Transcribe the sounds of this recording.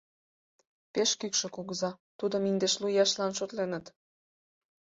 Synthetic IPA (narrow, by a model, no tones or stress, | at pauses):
peʃkykʃɤ̆kuɣəzɑt̪ud̪ə̆mind̪eʃlujɑʃlɑnʃot̪lenə̆t̪